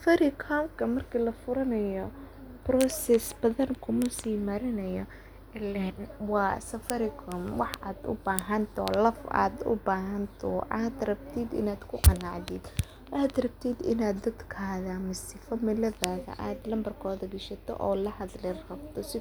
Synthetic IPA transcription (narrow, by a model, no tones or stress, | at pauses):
sɐfɐɾɪkʰɔmkʰɐmɐrkʰilɐfʊɾɐnɐjɔ | brɔsɛsbɐðɐnkʰʊmɐsiːmɐɾɪnɐjɔ | ɛlɛnwɑːsɐfɐɾɪkʰɔmwɑħaːd̪ʊ̰baːɦɐnt̪ʰɔ̰lɐfa̰ːd̪ʊ̰baːɦɐnt̪ʰɔʔaːd̪rɐb̚t̪ʰid̪ɪ̰naːd̪kʰʊqɑnɑʕðid̪ | ʔaːd̪rɐb̚t̪ʰid̪ɪ̰naːd̪d̪ɐd̪kʰɐɐðaːmɪsɪfɐmɪlɐðaːðɐ̰ʔaːd̪lɐmbɐrkʰɔːðɐɡɪʃɐt̪ʰɔ̰ʔɔːlɐhɐd̪lɪrrɐb̚t̪ʰɔsɪ